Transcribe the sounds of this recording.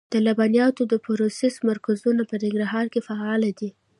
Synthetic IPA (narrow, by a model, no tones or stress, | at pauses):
d̪̥əlabɑnjɑt̪od̪əpʊɾosesmaɾkazunapənɪŋɡɾaɦɑɾkefaɑlad̪i